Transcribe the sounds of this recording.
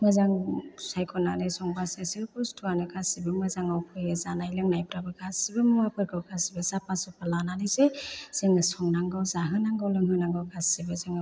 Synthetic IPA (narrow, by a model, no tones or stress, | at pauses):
mɯzaŋsajkʰɔnanesɔŋbaseseɾpɔstʰuaneɡasibɯmɯzaŋawkʰɯjɯzanajlɯŋnajpɾabɯɡʰasibɯmɔwapʰɯɾkʰɯwɡʰasibɯzapasɯpalananɯsez̥eŋɯsɔŋnaŋɡawzaɦɯnaŋɡawlɯŋɦɯnaŋɡawɡasibɯzeŋ